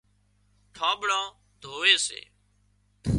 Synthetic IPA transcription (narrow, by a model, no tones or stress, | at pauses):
ʈʰãːɓɽãː | d̪ʱoːʋeːsḛː